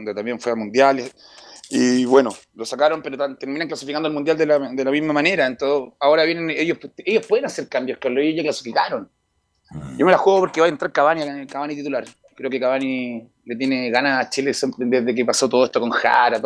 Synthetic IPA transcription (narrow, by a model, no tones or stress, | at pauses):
nd̪et̪ambjeɱfweamund̪jale | iβwe̞no | lo̞sakaɾo̞mpeɾot̪ant̪eɾminaŋklasifikand̪olmund̪jald̪eld̪elamizmamane̞ɾaent̪oaoɾaβje̞nenejohpejohpweðenaseɾkambjohkaloejoʝaklasi̥fikaɾon | ɟ͡ʝomelaxweðopoɾkeβajent̪ɾaɾkaβaniakaβanit̪it̪ulaɾ | kɾe̞okekaβani | let̪jeneɣanaːt͡ʃilesempɾed̪eðek̬epasot̪oðeht̪o̞koŋxa̰ɾat̪